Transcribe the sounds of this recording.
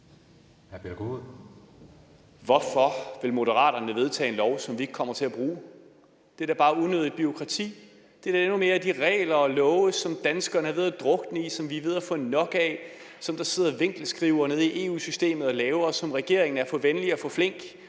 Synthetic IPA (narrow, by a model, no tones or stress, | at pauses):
hæɐpʰedɐɡ̥oðˠ | ʋɒfɒ̽ʋe̝lmo̝ɾəʁɑ̰̈ːɾ̥ɐnəʋe̝ð̞ˠt͡sʰɛ̰ːenlɒʊsɒ̽mʋie̝ɡ̥̚kʰɒ̽m̰ɐt͡sʰe̝æb̥ʁuː | d̥e̝ɾ̥æb̥ɑ̈ːuðˠnøðˠidˠb̥yo̝kʰʁɑ̈t͡sʰḭː | d̥e̝d̥æe̝nume̝ːɐæd̥iʁɛ̰ːlɐɒ̽lɔːʊsɒ̽md̥ænsɡ̥ɐːnəhɑ̈ʋeðˠd̥ʁɔ̽ɡ̥nəisɒ̽mʋiʋe̝ð̞̰ˠɐfɔ̽nɒ̽ɡ̥ɛ | sɒ̽md̥ɑ̈se̝ð̞̰ˠɐʋe̝ŋ̰ɡ̥l̩sɡ̥ʁiʊɐne̝ð̞ˠiʔe̝̰ːṵːsysd̥e̝̰ːmð̞̩ˠɒ̽lɛːʊɐsɒ̽mʁɛɡ̥e̝ɐeŋn̩æɐfɒ̽ʋenliɒfɔ̽fle̝ŋ̰ɡ̥